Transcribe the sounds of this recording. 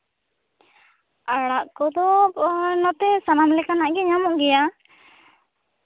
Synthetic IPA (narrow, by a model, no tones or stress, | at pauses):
aɽaʔkɔd̪ɔ | nɔt̪ɛsanamlɛkanaʔɡɛɲamɔʔɡɛja